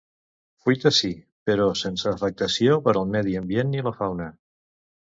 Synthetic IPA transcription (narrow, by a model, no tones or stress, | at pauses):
fujt̪əsi | pəɾɔsensəːfək̚t̪əsiopəɾəlˠmɛðiəmbjenːiləfawnə